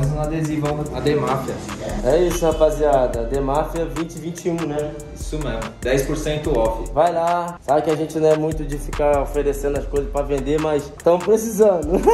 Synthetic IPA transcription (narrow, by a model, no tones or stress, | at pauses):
zũad̪ezivɐ̃w̃ad̪emafiɐɛisʊapaziad̪ɐad̪emafiɐvĩt͡ʃɪvĩnt͡ʃɪũnɛ | isʊmezmʊd̪ɛjspoɾsẽnt̪ʊɔfɐvajlasabɪkɪaʒẽnt͡ʃɪnɐ̃w̃ɛmũj̃t̪ʊd͡ʒɪfikaɾofeɾesẽnd̪ʊɐskojzɐspɾɐvẽnd̪emɐjst̪ɐ̃w̃pɾesizɐ̃d̪ʊ